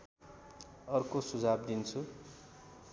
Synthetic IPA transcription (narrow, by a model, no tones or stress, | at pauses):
ʌrkosud͡zʱab̚d̪int͡sʰu